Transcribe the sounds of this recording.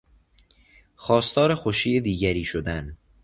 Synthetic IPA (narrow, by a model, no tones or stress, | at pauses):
xɒːst̪ʰɒːɾexoʃiːjed̪iːɟæɾiːʃod̪æn